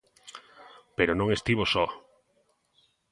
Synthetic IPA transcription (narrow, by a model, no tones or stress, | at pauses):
peɾonõŋest̪iβosɔ